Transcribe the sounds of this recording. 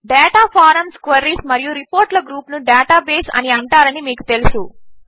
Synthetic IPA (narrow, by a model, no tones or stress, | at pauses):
ɖeːʈaːpʰaːɾɐmskʋɐɾiːsmɐɾijuɾipoːɾʈlɐɡɾuːpnuɖaːʈaːbeːsɐ̰niɐɳʈaːɾɐnimiːku̥t̪e̞lusu